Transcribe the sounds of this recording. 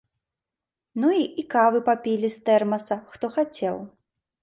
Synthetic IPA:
nuiikavɨpapʲilʲist̪ɛrmɐsɐxt̪ɔxat͡sʲɛ̰w

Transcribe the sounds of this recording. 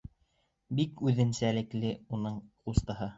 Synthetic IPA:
bikʉðɘ̆nsælɘ̆klɘunɤɴqust̪ɑɦɤ

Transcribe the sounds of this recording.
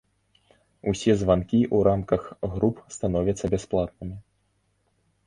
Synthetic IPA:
usʲɛzvankʲiʔuɾʔamkɐxɣɾupst̪anɔvʲɐt̪sːɐbʲasplˠat̪̚nɨmʲi

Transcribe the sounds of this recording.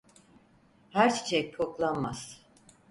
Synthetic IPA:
hæɾt͡ʃʰi̥t͡ʃʰɛcpʰoklˠanma̰z̥

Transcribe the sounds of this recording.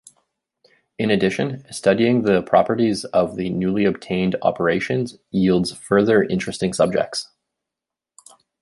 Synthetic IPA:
ɨ̃nɨdɪʃɨ̃nstʌɾiɪ̃ŋðɨpʰɹ̥ɑ̰pə˞ɾizʌvðɨnʉlˠiɨb̚tʰẽɪ̃ndɑ̰pʰə˞eɪʃɨ̃nz | jilˠdz̥fɜ˞ðə˞ʔɪ̃nt͡ʃɹ̥ɨstɪ̃ŋsʌb̚d͡ʒɛ̰k̚ts

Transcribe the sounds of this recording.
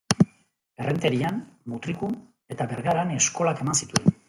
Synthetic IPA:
e̞rent̪e̞ɾianmut̪ɾiku | e̞t̪abe̞ɾɣaɾane̞sko̞lake̞mansit̪uen

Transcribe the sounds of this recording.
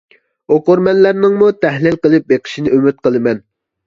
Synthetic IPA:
oqoɾmɛnlæɾnɪŋmut̪ʰæhlɪlqəlˠɨp̚beqʰə̥ʃinɪʔymyt̪̚qəlˠɨmɛn

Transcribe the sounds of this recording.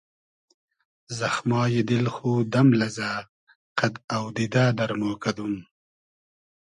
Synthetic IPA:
zaxmɑːjed̪ɪlxuːd̪ɐmlɐza | qad̪awd̪ɪd̪aːd̪ɐɾmoːkad̪um

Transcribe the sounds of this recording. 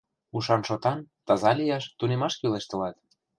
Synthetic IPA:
uʃɑnʃot̪ɑnt̪ɑzɑlʲijɑʃt̪unemɑʃkileʃt̪ə̆lɑt̪

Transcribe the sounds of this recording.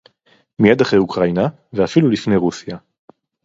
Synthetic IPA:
mijad̪haχʁejukʁaina | veafilulifne̞jʁusja

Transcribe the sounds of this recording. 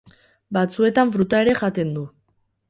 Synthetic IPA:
bat͡sue̞t̪aɱfɾut̪ae̞ɾe̞ʝat̪e̞nd̪u

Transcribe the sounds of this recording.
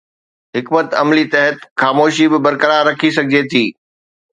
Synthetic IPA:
ɦɪkmət̪ɐ̰mlit̪ɐɦət̪xaːmoːʃibɪbɐɾkəɾaːɾɐkʰisɐɡʱɪd͡ʑet̪ʰiː

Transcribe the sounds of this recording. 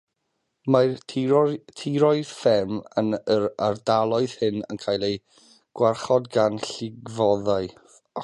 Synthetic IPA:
ma | tʰiɾɔɨðfɛmənəɾardalˠɔɨð̥hɪnə̰nkʰaːjlˠej | ɡ̥warχɔdɡanɬɪɡvɔðaɨ

